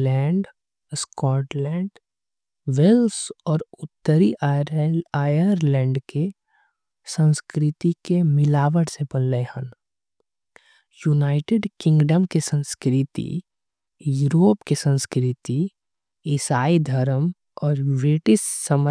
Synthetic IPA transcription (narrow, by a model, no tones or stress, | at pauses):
lɛ̃ːɳɖ | skɔːʈlɛ̃ːɳɖ | ʋelsɔːɾʊt̪ːəɾi | ajəɾlɛ̃ːɳɖke | sə̃nskɾɪt̪ikemɪlaːʋəɽsebənləhən | junaːɪʈeɖkɪ̃ŋɡɖəmkesə̃nskɾɪt̪ḭ | juːɾoːpkesə̃nskɾɪt̪i | ɪsaːid̪ʱəɾəm | ɔːɾbɾɪʈɪssəm